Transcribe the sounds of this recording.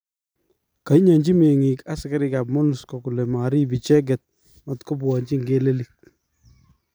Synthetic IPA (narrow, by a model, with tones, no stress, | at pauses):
ka˨i˦ɲa˨ɲd͡ʒi˦me˨ŋi˨ka˦ska˦ɾɪ˦ka˨p̚mo˦nu˨skɔ˨ku˨lɛ˨ma˨ɾi˦bi˨t͡ʃɛ˦ɡ̬ɛ˨t̪̚ | ma˨tko˦bɔ˨ɲd͡ʒi˦ŋɡe˦le˦li˨k̚